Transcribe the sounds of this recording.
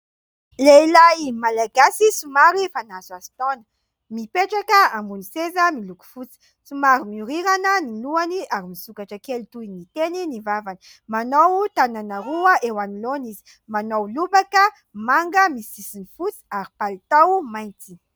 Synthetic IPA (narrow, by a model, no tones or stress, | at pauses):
leilajmalaɡasisumaɾifanazazi̥t̪ɔnə̥ | mipeʈ͡ʂakəambunisezəmiluku̥fut͡si̥ | sumaɾimiuɾiɾanəniluaniaɾimisukaʈ͡ʂəkelut̪uinit̪eninivavani̥ | manowt̪ananaɾuəʔewanilonizi̥ | manowlubakə | maŋɡəmisisinifut͡si̥aɾipalit̪awmajnt͡si